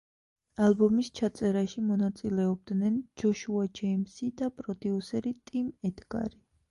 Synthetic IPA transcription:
albɔmist͡ʃʰat̪sʼɛɾaʃimɔnat̪sʼilɛɔb̚d̪nɛnd͡ʒɔʃuad͡ʒɛimsid̪apʼɾɔd̪iusɛɾit̪ʼimɛd̪ɡa̰ɾi

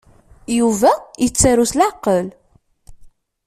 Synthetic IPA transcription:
juvæjət͡sːaɾuslaʕqːəl

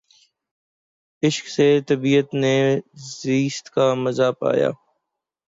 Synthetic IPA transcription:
ɪʃkseːt̪əbiːət̪neːziːst̪kaːməzaːpa̰ːja̰ː

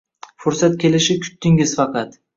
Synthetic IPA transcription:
fʊɾsat̪̚kʲʰe̞lɪʃɪkʰʊ̥t̪ːɪŋɪz̥fɑqʰɑt̪

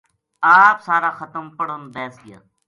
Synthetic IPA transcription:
aːpsaːɾaːxət̪əmpəɽonb̪ɛːsɡɪja̰ː

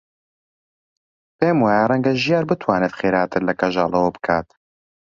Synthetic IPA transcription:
peːmwaːjarɛŋɡɐʒijaːɾbɨt̪ʰwaːnet̪χeːɾaːt̪ʰɨɾlɐkɐʒɑːlˠɐwɐbɨ̥kʰaːt̪

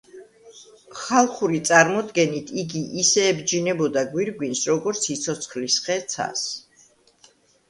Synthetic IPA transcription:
χalˠχuɾit̪sʼaɾmɔd̪ɡɛnit̪ʰiɡiʔisɛːbd͡ʒinɛbɔd̪aɡwiɾɡwinsɾɔɡɔɾt̪sʰit̪sʰɔt̪sʰχlisχɛt̪sʰa̰s

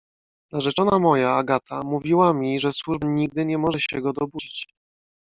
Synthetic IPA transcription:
naʐɛt͡ʂɔnamɔjaːɡat̪ʰamuvʲiwamʲiʐɛswuʐbɲiɡ̚d̪ɘɲɛmɔʐɛɕɛɡɔd̪ɔbud͡ʑit͡ɕ

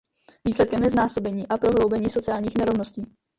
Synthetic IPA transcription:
viːslɛt̪̚kɛmjɛznaːso̞bɛɲiːʔapɾo̞ɦlo̞wbɛɲiːso̞t͡sɪaːlɲiːxnɛɾovno̞sciː

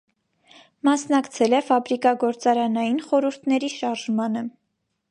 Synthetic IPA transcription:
mɑsnɑkt͡sʰɛlɛfɑbɾikɑɡɔɾt͡sɑɾɑnɑjinχɔɾuɾt̪ʰnɛɾiʃɑɾʒmɑnə

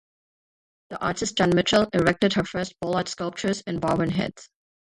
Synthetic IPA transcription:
ð̥iʔɑ̰ɹtɨs̚d͡ʒ̥ɑ̃nmɪt͡ʃəl̩ˠɪɹɛk̚tɨd̚hə˞fɜ˞st̚b̥ɔlˠətskʌlˠp̚t͡ʃə˞zɨ̃nbɑbə̃nɦɛ̰d̥z̥

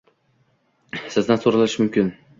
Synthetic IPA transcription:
sɪzd̪ansoɾalɪʃmʊmkʲɪn

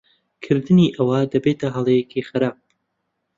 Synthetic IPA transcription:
kʰɨɾd̪ɨniːʔɐwɐd̪ɐbeːt̪ʰɐɦɐlˠejekixɨɾaːp̚

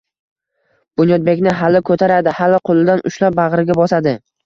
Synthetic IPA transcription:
b̥ʊnjɒd̪̚be̞kʲnɪɦalɪkʰɵt̪ʰaɾad̪ɪhalɪqʰolˠɪd̪anʔʊʃlap̚baʁɾɪɡʲabɒsad̪ɪ

